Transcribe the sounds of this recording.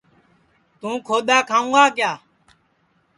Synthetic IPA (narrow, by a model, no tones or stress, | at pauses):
t̪ũːkʰoːd̪aːkʰãːũːɡaːkɪjaː